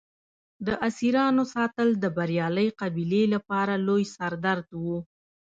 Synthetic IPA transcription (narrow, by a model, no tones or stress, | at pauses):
d̪əʔasiɾɑnosɑt̪əld̪əbaɾjɑləjqabilelapɑɾalojsaɾd̪aɾd̪wu